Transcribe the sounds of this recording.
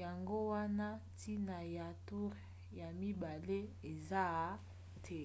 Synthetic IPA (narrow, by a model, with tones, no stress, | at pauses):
ja˨ŋɡo˦wa˦na˦tʰi˦na˨ja˨tu˦ʁ | ja˨mi˦ba˨le˦e˨za˦ | tʰe˦